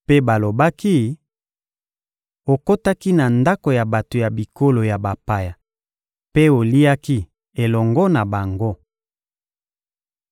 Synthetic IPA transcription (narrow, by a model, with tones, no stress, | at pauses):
pe˦ba˨lo˨ba˦ki˦ | o˨ko˦ta˦ki˦na˨nda˦ko˨ja˨ba˨to˨ja˨bi˨ko˦lo˨ja˨ba˨pa˨ja˨ | pe˦o˨li˦a˦ki˦ | e˨lɔ˨ŋɡɔ˦na˨ba˨ŋɡo˦